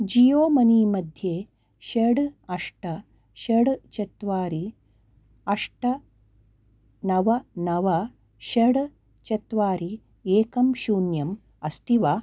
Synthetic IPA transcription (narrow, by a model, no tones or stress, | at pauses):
d͡ʒijoːmɐniːmɐd̪ʱjeː | ʃɐɽɐʂʈɐ | ʃɐɽt͡ʃɐt̪ʋaːɾi | ɐʂʈɐ | nɐʋɐnɐʋɐ | ʃɐɽ | t͡ʃɐt̪ʋaːɾi | eːkɐmʃuːnjɐm | ɐst̪iʋaː